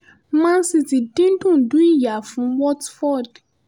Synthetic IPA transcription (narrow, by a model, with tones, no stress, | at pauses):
mã˦nsi˧ti˨dĩ˦n˦dũ˦˨ndu˦ĩ˦ja˨fũ˨wɔ˦tfɔ˦˨d